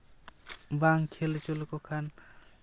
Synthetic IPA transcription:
baŋkʰelet͡ʃolkokʰan

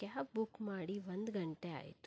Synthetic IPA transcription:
kjaːpbukmaːɽiʋɐnd̪ɡɐɳʈea̰ːjt̪u̥

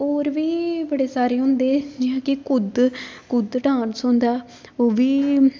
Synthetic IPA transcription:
oːɾʋiːbəɽeːsaːɾeːɦʊ̃nd̪eːd͡ʒɪːɦãːkɪkʊd̪kʊd̪ʈãːnsõːnd̪aː | oːʋiː

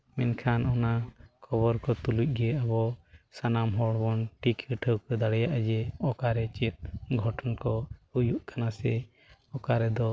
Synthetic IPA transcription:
mɛnkʰanɔnakʰɔβɔɾkɔt̪uluc̚ɡɛjɛʔabɔsanamɦɔɽbɔnʈikəʈʰəwkəd̪aɽɛjaʔad͡ʒɛɔkaɾɛt͡ʃɛt̪̚ɡʱɔʈɔnkɔujuʔkanasɛ | ɔkaɾɛd̪ɔ

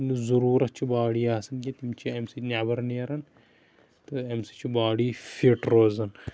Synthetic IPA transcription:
nuzuɾuːɾɐt͡ʃʰibaːɽiːaːsɐnkʲit̪imt͡ʃʰiemsinabɐɾniɐɾɐn | t̪ɨemsi̥t͡ʃʰibaːɽiːfiʈɾoːzɐn

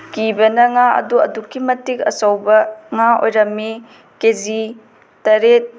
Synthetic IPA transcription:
kibɐnɐŋaɐ̰duɐ̰dukʰːimɐtikɐ̰sɐwbɐŋao̰jɾɐmːi | kezi | tɐɾet̚

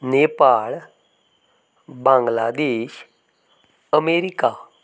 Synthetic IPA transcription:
nepaɭ | bãŋɡlad̪eːʃ | əmeɾika

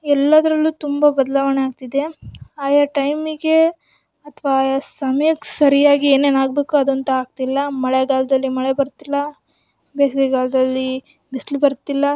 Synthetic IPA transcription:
ɛlːɐd̪ɐɾɐlːuːt̪umbɐbɐd̪ɐlaːʋɐɳeaːɡ̚t̪id̪e̞aːjaʈɐjmiɡe̞ | ɐt̪ʰʋaːjasɐmɐjɐkːsɐɾijaːɡieːneːnaːɡ̚beːkuɐd̪ont̪ɐaːɡ̚t̪ilːɐmɐɭeɡaːlɐd̪ɐlːimɐɭebɐɾt̪ilːɐ | beːsɡeɡaːlɐd̪ɐlːi | bislibɐɾɐt̪ːilːɐ

